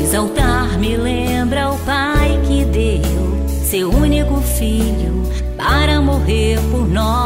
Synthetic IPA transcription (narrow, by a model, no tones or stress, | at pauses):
ezawt̪aɾmɪlẽ | bɾɐʊpajkɪd̪e | w | sewũnikʊfiʎʊ | paɾɐmoɦeɾpoɾnɔ